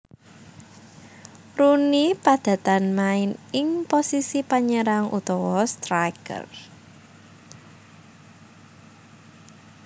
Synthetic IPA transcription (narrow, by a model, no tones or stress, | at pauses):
ɾunipad̪̥ä̤t̪anmaɪnɪŋposisipaɲəɾaŋṵt̪ɔwɔst̪ɾajkə̰r